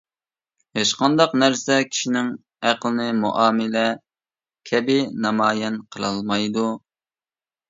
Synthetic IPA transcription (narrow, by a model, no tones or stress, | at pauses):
heʃqɑnd̪ɑqnæɾsɛkʲʰi̥ʃinɪŋ | æqlˠɨnɨmṵʔɑːmɪlɛ | kʲʰɛbɪnɑmɑːjɛnqʰəlˠɑlˠmɑjd̪u